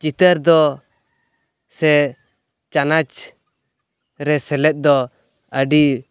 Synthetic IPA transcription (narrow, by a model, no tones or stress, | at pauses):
t͡ʃit̪əɾd̪ɔ | sɛ | t͡ʃanat͡ʃ | ɾɛsɛlɛt̪̚d̪ɔ | əɖi